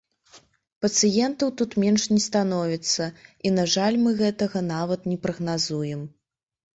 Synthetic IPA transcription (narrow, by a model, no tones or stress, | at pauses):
pɐt̪sɨjɛnt̪ɐwt̪ut̪mʲɛnʂnʲɛst̪anɔvʲit̪sːɐinɐʐalʲmɨɣɛt̪ɐɣɐnavɐt̪nʲɛpɾɐɣnazujɛm